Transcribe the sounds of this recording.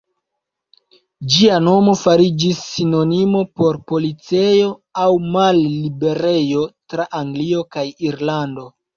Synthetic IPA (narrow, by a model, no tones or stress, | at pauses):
d͡ʒiano̞mo̞faɾid͡ʒisːino̞nimo̞po̞ɾpo̞lit͡se̞jo̞awmalːibe̞ɾe̞jo̞tɾaʔaŋɡlio̞kajiɾlando̞